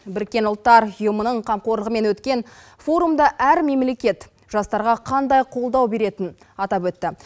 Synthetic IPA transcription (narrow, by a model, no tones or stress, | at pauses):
bɪɾkʲːe̞nʊlˠt̪ːɑɾʊjəmənəɴqʰɑmqo̞ɾˠəʁəme̞nwɵt̪kʲe̞n | fo̞ɾumd̪ɑʔæɾme̞mle̞kʲe̞t̪ | ʒɑst̪ɑɾʁɑqʰɑnd̪ɑjqʰo̞lˠd̪ɑwbe̞ɾe̞t̪ɪn | ɑt̪ɑpwɵt̪ːɪ